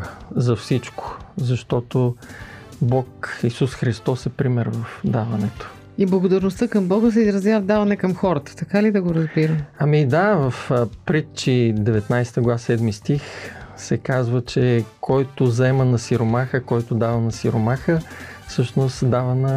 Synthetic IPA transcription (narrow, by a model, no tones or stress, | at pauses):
zɐfsit͡ʃko̥zɐʃt̪ɔt̪o | bɔkisusxɾist̪ɔsɛpɾimɛɾvɐfd̪avɐnɛt̪o̥ | iblˠɐɡod̪ɐɾnost̪əkɐmbɔɡəs̬ɛizɾɐzjavəd̪avɐnɛkɐmxɔɾət̪ə̥t̪ɐkalid̪ɐɡoɾɐzbiɾəmɐmid̪avəfpɾit̪t͡ʃid̪ɛvɛt̪najsɛ̥t̪əɡlˠvasɛd̪mist̪ixsɛkazvət͡ʃɛkʰɔjt̪ozɐɛmənɐsiɾomaxəkɔjt̪ʊd̪avɐnɐsiɾomaxə | fsɤʃnost̪d̪avənɐ